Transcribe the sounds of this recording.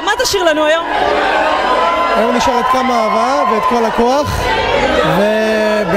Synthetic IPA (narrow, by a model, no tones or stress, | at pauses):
mat̪aʃiʁlanuajo̞m | ajomniʃaʁet̪̚kamaaːvaveet̪̚ko̞lakoaχ | ve | b